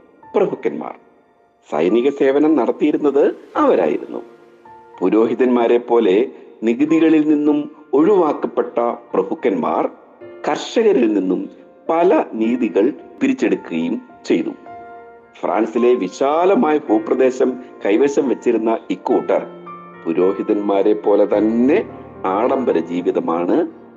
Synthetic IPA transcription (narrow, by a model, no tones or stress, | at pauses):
prɐbʱukːɐnma̰ːr | sɐ̰jniɣɐse̞ːʋɐnɐmnɐɽɐt̪ːijiɾunːɐðɨɐʋɐɾa̰ːjḭɾṵnːṵ | puɾo̞ːɦiðɐnmaːɾe̞pːo̞ːle̞niɣɨðiɣɐɭilninːumo̞ɻuʋaːkːɐpːe̞ʈːɐprɐbʱukːɐnma̰ːr | kɐrʂɐɣɐɾilninːum | pɐlɐniːðiɣɐɭpiɾit͡ɕːe̞ɽukːuɣɐjum | t͡ɕe̞jt̪ṵ | fra̰ːnsile̞ʋiɕaːlɐmaːjɐbuːprɐd̪e̞ːɕɐmkɐjʋɐɕɐmʋɐt͡ɕːiɾunːɐikːuːʈːɐ̰r | puɾo̞ːɦiðɐnmaːɾe̞pːo̞ːle̞t̪ɐnːe̞ | aːɽɐmbɐɾɐd͡ʑiːʋiðɐmaːɳɨ